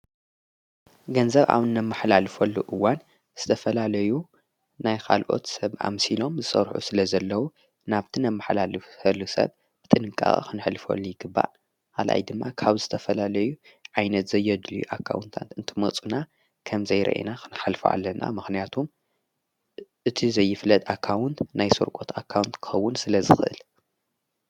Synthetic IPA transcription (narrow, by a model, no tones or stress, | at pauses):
ɡɐnzɐβʔa̰βɨnːɐmːɨħlalfɐlːuʔɨwːan | z̥ɨt̪ʰɐfɐlalɐju | najkʰa̰lʔo̞̰t̪sɐβʔa̰msilo̞mzɨsʼɐ̰ɾħṵsɨlɐzɐlːɐwu | naβt̪ʰinɐmːɨħlalɨfɐlːusɐ̰β | b̥ɨt̪ʼɨnɨkʼːa̰xʼḭkʰɨnħlfɐ̰lːujɪɡɨbːa̰ʔ | alʔa̰jd̪ɨmːakʰaβzɨt̪ʰɐfɐlalɐju | ʕajnɐt̪zɐjːɐd̪lujuʔakʰːa̰wnt̪ʰa̰nt̪ɨnt̪ʰimɐt͡sʼuna | kʰɐmzɐjɾʔɐ̰ʔḭnakʰɨnħalfoʔa̰lːɐnʔa̰mɨxnijat̪ʰum | ʔɨt̪ʰizɐjːɪflɐt̪ʼakʰːawʊnt̪najsoɾkʼo̞t̪ʰakʰːawnt̪kʰɨ̥xɐwːʊnsɨlɐzɨxɨʔɨ̰l